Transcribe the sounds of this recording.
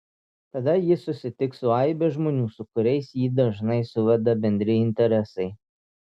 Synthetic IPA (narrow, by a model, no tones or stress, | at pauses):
t̪ɐd̪ɐjɪsʊsʲɪt̪ʲɪksʊɐɪbʲɛʒmoːnʲuːsʊkʊɾʲɛɪsjiːd̪ɐʒnɐɪsʊʋʲɛd̪ɐbʲɛnʲd̪ʲɾʲɪɪnʲt̪ʲɛɾʲɛsɐɪ